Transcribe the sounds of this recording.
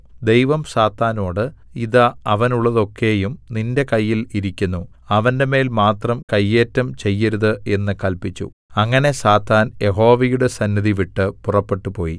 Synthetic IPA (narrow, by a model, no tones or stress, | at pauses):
d̪e̞jʋɐmsaːt̪ːaːno̞ːɽɨiðɐɐʋɐnuɭːɐðo̞kʰːe̞ːjumninde̞kɐjːiliɾikʲːunːu | ɐʋɐnde̞me̞ːlmaːt̪rɐmkɐjːe̞ːtːɐmt͡ɕe̞jːɐɾuðɨe̞nːɨkɐlpit͡ɕːṵ | ɐŋːɐne̞saːt̪ːaːnje̞ɦo̞ːʋɐjuɽe̞sɐnːiðiʋiʈːɨpurɐpːe̞ʈːupo̞ːji